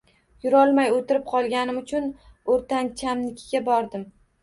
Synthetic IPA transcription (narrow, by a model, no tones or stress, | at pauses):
jʊɾɒlˠmajot̪ʰɪɾɪp̚qʰɒlˠɡʲanɪmʊt͡ʃʰʊnoɾt̪ant͡ʃʰamnɪkʲʰɪɡʲabɒɾd̪ɪm